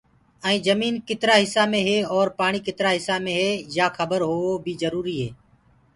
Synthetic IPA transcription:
ɛ̃ːd͡ʒəmiːnkɪt̪ɾaːɦɪsaːmẽːɦeːɔːɾpaːɳ̃iːkɪt̪ɾaːɦɪsaːmẽːɦeːjaːxʰəbəɾɦoːoːbʱiːzəɾuːɾiːɦeː

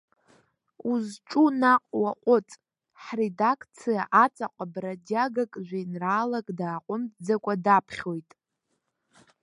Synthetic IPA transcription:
uzʈ͡ʂʼunaqʼwaqʷʼʊt͡sʼ | ħredakʰt͡sʰijaʔat͡sʰʼaqʷʼəbradaɡakʼʒʷᶣinraːlakʼdaːqʷʼʊmd͡zakʷʼadapʰχʲo̞jtʼ

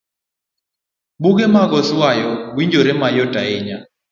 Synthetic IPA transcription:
ɓuɡemaɡɔswajɔɡwiɲd͡ʒoɾɛmajɔtʼaɪɲa

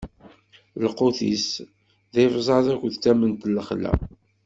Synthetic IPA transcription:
ləqoθis | ðɪvzˤɑðækʷəðt͡sːæmənt̪ləχlæ̰

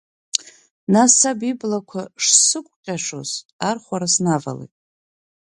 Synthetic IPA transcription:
nasabiblakʷʰaʂsɨkʷʼqʲʼaʂoz | arχʷaɾasnava̰lejtʼ

